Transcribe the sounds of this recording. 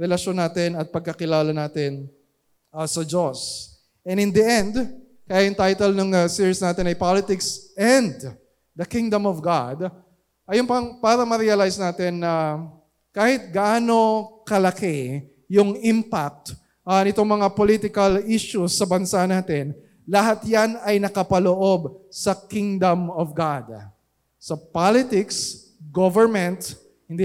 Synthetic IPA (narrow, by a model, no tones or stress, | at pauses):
ɾɛlɐʃonaːt̪ɪnɐt̪̚pɐɡ̚kɐkɪlaːlɐnaːt̪ɪn | ɐsɐd͡ʒos | ʔɛ̃nɪ̃nd̪ɐɛ̃nd̪ | kɐjaʔɪnt̪ajt̪ɛlnʊŋɐsɪɹsnaːt̪ɪnɐjpalɪt̪ɪksɛ̃nd̪ | d̪ɐkiŋd̪omɔvɡad̪ | ʔɐjompɐŋpaːɾɐmɐɾiɐlajsnaːt̪ɛnːɐ | kaːhɪt̪̚ɡaʔaːno̞kɐlɐkɛ | jʊŋɪmpak̚t̪ː | nɪt̪o̞ŋmɐŋapolit̪ɪkɐliʃʊsːɐbɐnsanaːt̪ɛn | lɐɦat̪janɐjnɐkɐpɐloʔo̞bsɐkɪŋd̪ɐmɔvɡad̪ | sɐpalɪt̪ɪks | ɡovɛɹmɛ̃nt̪ | hɪnd̪i